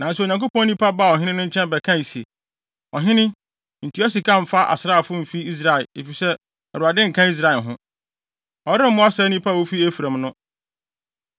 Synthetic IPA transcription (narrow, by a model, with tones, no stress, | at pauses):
nã˨n˦sɛ˦o˨ɲã˨ko˦pʰɔ̃˦nĩ˦pʰa˦ba˦˨ɔ˨ɦɪ̃˦nɪ̃˦nʊ̃˦ɲ̩˦t͡ɕʰɛ̃˦mbɛ˨kʰã˦˨i˨si˨e˨ | ɔ̰˨ɦɪ̃˦nɪ̃˦ | n̩˨tʰu˨˦æ˦s̬i˨kʰã˦˨m̩˨fa˦ʔa̰˨sɪ˨ɾaː˦˨fʊ˦m̩˨fi˦i˦s̬ɾa˨ɛ˨ḛ˨fi˨sɛ˦ | ɛ˨ɾu˨a˨dɪ̃˦ŋ̩˨kʰã˦i˦s̬ɾa˨ɛ˨ɦʊ̃˦ | ɔ˨ɾɪ˦m̩˦mʊ̃˦a˦sɛ˦nĩ˦pʰa˦˨wo˦fi˦æ˦fu˨ɾã˨mnʊ̃˦